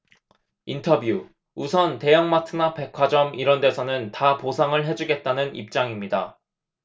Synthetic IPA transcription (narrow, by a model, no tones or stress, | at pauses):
intʰʌbju | usʰʌnte̞jaŋmatʰɯnape̞kʰwad͡ʑʌmiɾʌnde̞sʰʌnɯntaposʰaŋɯɭɦe̞d͡ʑuɡe̞t̚t͈anɯnḭp̚t͡ɕ͈aŋimɲida̰